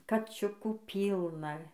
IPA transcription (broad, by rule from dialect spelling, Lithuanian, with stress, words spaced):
kɐˈt͡ʃʲʊkuː ˈpʲiːlˠnɐ